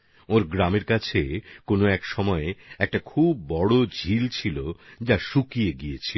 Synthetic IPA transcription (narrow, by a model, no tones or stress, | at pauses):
oɾɡɾameɾkat͡ɕʰekonoɛkʃɔmɔeɛk̚ʈakʰubːɔɽod͡ʑʱilt͡ɕʰilod͡ʑaʃukieɡiet͡ɕʰi